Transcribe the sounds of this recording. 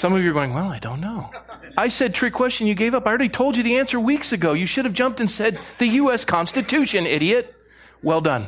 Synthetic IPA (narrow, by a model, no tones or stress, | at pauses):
sʌ̃mʌvjə˞ɡoʊɪ̃ŋwɛlˠaɪdõ̰ʊ̃nːoʊ | aɪsɛd̚tʰɹ̥ikʰw̥ɛst͡ʃɨ̃n̩jɨɡeɪvʌpaɪəɹilˠitʰoʊlˠd͡ʒɨðiæ̃nsə˞wiksɨɡoʊjɨʃʊɾɨvd͡ʒʌ̃mp̚tɨ̃nsɛd̪̚ðɨjʉɛskʰɑ̃nstɨtʰʉʃɨ̃nɪɾiɨt̚ | wɛlˠdʌ̃n